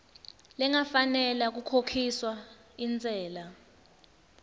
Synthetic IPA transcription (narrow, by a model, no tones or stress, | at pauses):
lɛŋafanɛlak̬ukʰokʰiswa | int͡sʼɛːla